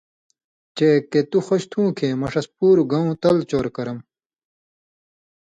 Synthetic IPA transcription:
t͡ɕeːkːet̪uxoɕt̪ʰũːkʰeːmɐʂɐspuːɾuɡɐũːt̪ɐlt͡ɕoːɾkɐɾɐm

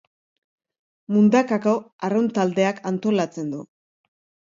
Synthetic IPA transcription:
mund̪akako̞aront̪ald̪e̞akʰant̪o̞lat͡se̞nd̪u

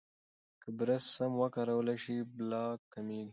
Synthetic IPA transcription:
kəbɾəssamwəkaɾawəlaʃiblɑːkːamiːɡi

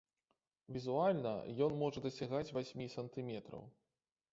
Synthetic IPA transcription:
vʲizualʲnɐ̰jɔnmɔʐɐd̪ɐsʲaɣat͡sʲvasʲmʲisɐnt̪ɨmʲɛt̪ɾɐ̰w

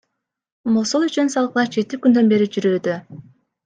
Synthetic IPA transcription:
mosolˠyt͡ʃynsɑlˠqlˠɑd͡ʒe̞t̪ikynd̪ø̞nbe̞ɾid͡ʒyɾøːd̪ø

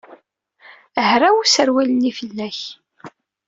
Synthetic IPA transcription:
əhɾawusəɾwælənːifəlːæç

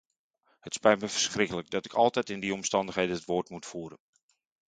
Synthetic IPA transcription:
hətspɛjtməfərsxrɪkələk̚dɑtɪkʰɑlˠtɛtɪndiɔmstɑndəχxɦejdəɦətʋoːtmutfuːɾə̰n

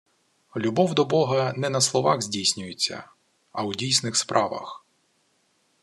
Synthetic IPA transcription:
lʲubɔwd̪ɔbɔɦɐnɛnɐslˠɔʋɑɣzʲdʲijsʲnʲʊjet͡sʲːɐ̰ | ɐwdʲijsnɪxspɾʔɑʋɐ̰x

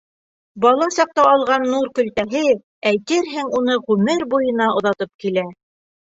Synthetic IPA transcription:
bɑlˠɑsɑq̚t̪ɑɑlˠʁɑnːuɾkɵ̆lt̪æɦɘ | æjt̪ɘɾɦɘŋunɤʁʉmɘɾbujɤ̆nɑŏðɑt̪ɤp̚kilæ

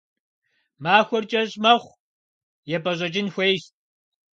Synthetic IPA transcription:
maːxʷɔrt͡ʃʼɐɕʼmɐχʷ | jɛpʰʼɐʑʷʼɐt͡ʃʼɪnxʷeːjɕt̚

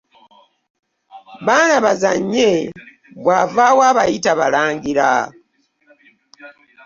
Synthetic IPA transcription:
βaːnaβaza̰ɲːe̞ | βwaːvaːwaːβajitaβa̰laːŋɡiɾa̰

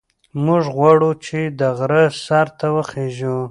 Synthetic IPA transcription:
mʊʐɣwaɽut͡ʃed̪əɣɾəsaɾt̪ʰawəχeʒu

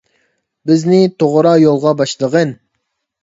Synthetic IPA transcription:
bɪznɪt̪ʰoʁɾɑjolˠʁɑbɑʃlˠəʁən

